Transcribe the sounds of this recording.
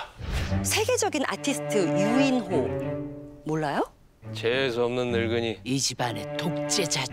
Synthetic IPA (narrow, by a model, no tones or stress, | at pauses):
sʰe̞ɡe̞d͡ʑʌɡinʔa̰tʰisʰɯ̥tʰɯjuinɦo | moɭːajo | t͡ɕeːs̬ʰʌmnɯnːɯɭɡɯɲiid͡ʑibanetok̚t͡ɕ͈ed͡ʑa